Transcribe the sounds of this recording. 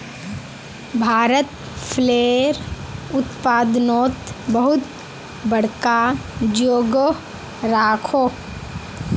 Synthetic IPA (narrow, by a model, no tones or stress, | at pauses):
bʱaːɾət̪ | pʰleːɾ | ʊt̪paːd̪noːt̪bəɦʊt̪ | bəɽ̤kad͡ʒoːɡ | ɾaːkʰoː